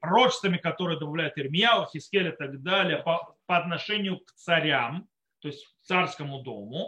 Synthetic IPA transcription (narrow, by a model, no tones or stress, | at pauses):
pɾot͡ɕɪ̥st̪vəmʲɪkɐt̪o̞ɾɨjəd̪əbɐvlʲæjʊt̪ɪrmʲɪjalˠəxʲɪskʲelʲɪt̪ɐɡd̪alʲɪjəpəpɐɐt̪nɐʂɛnʲɪjʊkt̪sɐɾʲam | t̪o̞ɪsʲtʲt̪sarskəmʊd̪o̞mʊ